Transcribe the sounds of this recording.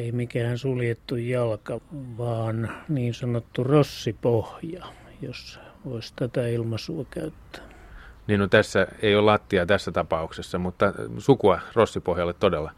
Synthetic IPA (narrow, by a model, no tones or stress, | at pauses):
eimikæhænsuljet̪ːujjɑlkɑʋɑːnniːnsɑnot̪ːurosːipohjɑjosʋoist̪æt̪æilmɑsuɑkæyt̪ːæ̥ | niːnnot̪æsːæeiollɑt̪ːiɑt̪æsːæt̪ɑpɑuksesːɑmut̪ːɑsukuɑrosːipohjɑlːet̪t̪odelːɑ